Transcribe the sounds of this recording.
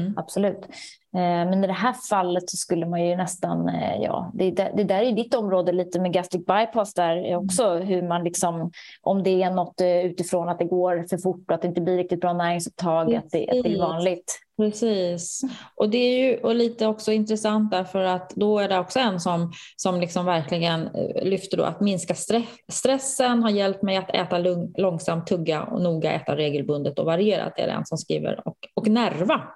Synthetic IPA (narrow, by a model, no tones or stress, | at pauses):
ʔab̥sɔlʉ̟ːt̪ | mɛnɪd̪ɛɦæːfalːət̪sɔskɵlːəmanjɵnɛst̪anjɑ̰ːd̪ɛd̪æd̪ɛd̪æːɾæɾjɵd̪ɪt̪ːɔmɾoːd̪əliːt̪əmɛɡæst̪ɪk̚bajpʰɑst̪d̪æɾɔksɔɦɵmanlɪksɔm | ʔɔmd̪ɛːnɔt̪ːʉ̟ːt̪ɪfɾoːnat̪̚d̪ɛɡoːɾfœɾfʊʈːɔt̪d̪ɛɪnt̪əblɪɾɪk̚t̪ɪt̪bɾɑːnæːɾɪŋsɵp̚t̪ʰɑːɡat̪̚d̪ɛʔat̪ɛɪvɑːnlɪt̪pɾɛsiːsʔɔd̪ɛæɾjɵʔɔliːt̪əɔksɔɪnt̪ɾɛsant̪̚d̪æɾfœɾat̪d̪ɔæɖɛɔksɔɛnsɔm | sɔmlɪksɔmvæɾklɪɡənlʏft̪əɖɔ̰ːa̰t̪mɪnskast̪ɾɛ | st̪ɾɛsːənɦaɾjɛlp̚t̪mɛjat̪ʰɛ̰ːt̪allɔŋsamt̪ʰːɵɡːaɔ̰nuːɡaʔɛ̰ːt̪aɾeːɡəlbɵnd̪ət̪ɔvaɾɪjeːɾa̰t̪̚d̪ɛæ̰ɾɛ̰nːsɔmskɾḭːvə̰ɾɔkɔknæɾva